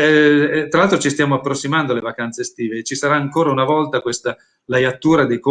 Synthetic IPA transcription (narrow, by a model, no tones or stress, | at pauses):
t̪ɾalalt̪ɾot͡ʃist̪jaːmoapːɾosːimand̪oalevakant̪sest̪iːvet͡ʃisaɾaːŋkoːɾaunavɔlt̪akwest̪a | lajat̪ːuːɾad̪ejko